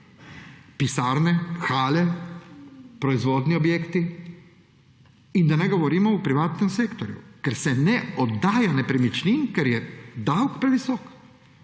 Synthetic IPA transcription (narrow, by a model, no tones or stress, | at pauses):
pisaːɾnɛxaːlɛ | pɾɔizʋɔːd̪niɔbjeːkt̪i | ind̪anɛɡɔʋɔɾiːmɔupɾiʋaːt̪nɛmseːkt̪ɔɾjṵkɛɾsɛnɛɔd̪ːaːjanɛpɾimit͡ʃniŋkɛɾjɛd̪awkpɾɛʋisɔːk